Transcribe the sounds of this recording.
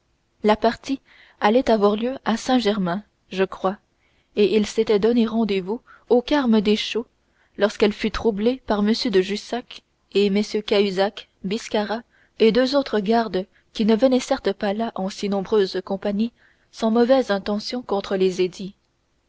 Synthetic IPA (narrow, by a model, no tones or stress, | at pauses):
lapaʁt̪i | alɛt̪avwaʁljøasɛ̃ʒɛʁmɛ̃ | ʒəkχwa | eʔilset̪ɛd̪ɔneʁɑ̃d̪evu | okaʁməd̪eʃo | lɔʁskɛlfyt̪χublepaʁməsjød̪əʒysak | eməsjøkayzak | biskaʁa | ed̪øzot̪χəɡaʁd̪ | kʲinəvənɛsɛʁt̪əpalaʔɑ̃sinɔ̃bʁøːzkɔ̃paɲi | sɑ̃mɔvɛzɛ̃t̪ɑ̃sjɔ̃kɔ̃t̪χəlezed̪i